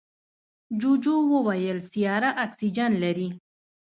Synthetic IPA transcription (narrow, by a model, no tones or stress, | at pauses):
d͡ʒud͡ʒowəwajəlsijɑɾaʔaksid͡ʒanlaɾi